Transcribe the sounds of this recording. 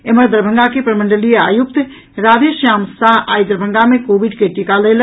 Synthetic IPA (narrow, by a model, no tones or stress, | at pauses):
eməɾd̪əɾbʱəŋɡakepɾəmə̃ɳɖəlija̰ːjuk̚t̪ | ɾaːd̪eʃjaːmsaɦʔaːjd̪ɾbʱəŋɡamẽkoːbiɖkeʈikalel